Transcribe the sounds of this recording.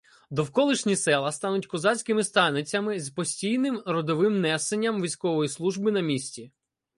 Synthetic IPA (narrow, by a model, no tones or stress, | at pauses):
d̪ɔwkɔlˠɪʃnʲisɛlˠɐst̪ɑnʊtʲkɔzɑsʲkɪmɪst̪ɑnɪt͡sʲɐmɪzpɔsʲtʲijnɪmɾɔd̪ɔʋɪmnɛsenʲːɐmʋʲisʲkɔʋɔjislˠuʒbɪnɐmʲisʲtʲi